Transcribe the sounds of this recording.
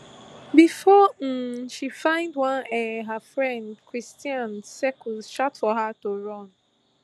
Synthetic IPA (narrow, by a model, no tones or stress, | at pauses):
bifɔm̩ʃifãɪ̃ndwãnɛɦafɹɛ̃ndkɹistiãnsɛkusʃatfɔɦatoɹɔ̃n